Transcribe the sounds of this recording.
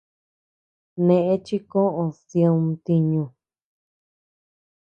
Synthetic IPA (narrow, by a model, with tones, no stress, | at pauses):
nẽ˧ʔẽ˦t͡ʃi˦kõ˦ʔõ˨sjõ˧nt̪i˧ɲũ˧